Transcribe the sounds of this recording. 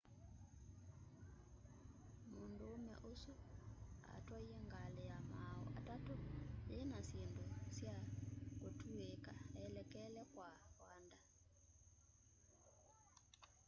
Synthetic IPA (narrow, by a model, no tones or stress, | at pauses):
mondoːmɛ̰ʔosua̰twaieŋɡalɛjamaɔ̰ʔa̰tatojenasjendosjakotuekaɛlɛkɛlɛkwawanda